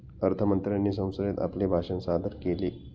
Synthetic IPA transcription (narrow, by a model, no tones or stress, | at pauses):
əɾt̪ʰəmənt̪ɾjanːiːsə̃w̃səɾet̪a̰plebʱaʂənsad̪əɾkeliː